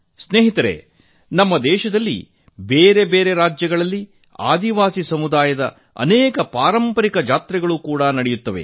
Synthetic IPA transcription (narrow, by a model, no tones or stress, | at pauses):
sneːɦit̪ɐɾḛ | nɐmːɐd̪ɛːʃɐd̪ɐlːḭ | beːɾe̞beːɾe̞ɾaːd͡ʒjɐɡɐɭɐlːi | a̰ːd̪iʋaːsisɐmud̪aːjɐd̪ɐ̰ | ɐ̰nɛːkɐpaːɾɐmpɐɾikɐd͡ʒaːt̪ɾɛɡɐɭukuːɽɐnɐɽɛjut̪ːɐʋe̞̰